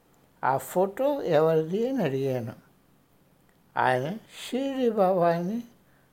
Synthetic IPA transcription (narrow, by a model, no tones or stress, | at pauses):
a̰ːpʰoːʈoːɛʋɐɾidinɐɽiɡeːnu | a̰ːjɐnɐʃiːɾibʱaːʋaːjni